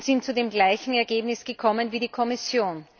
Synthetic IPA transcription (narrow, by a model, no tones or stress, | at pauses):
z̥ɪntt͡sudeːmɡlaɪçŋ̩ɛɐɡeːbnɪsɡ̥əkʰɔmənviːɾiːkʰɔmɪsjoːn